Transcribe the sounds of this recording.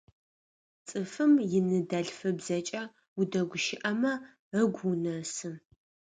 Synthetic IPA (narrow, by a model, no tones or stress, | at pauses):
t͡sʼɨfɨmjɪnɨdɐɬfɨbzɐt͡ʃʼɐ | udɐɡʷʊʃɪʔɐmɐ | rəɡʷunɐsɨ